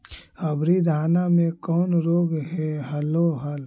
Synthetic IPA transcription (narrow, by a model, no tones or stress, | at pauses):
əbɾid̪ʱaːnamẽkɔːnɾoːɡɦɛɦəloɦəl